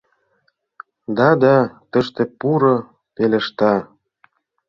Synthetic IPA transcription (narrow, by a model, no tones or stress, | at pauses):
d̪ɑd̪ɑt̪ə̆ʃt̪epuɾo | pelĕʃt̪ɑ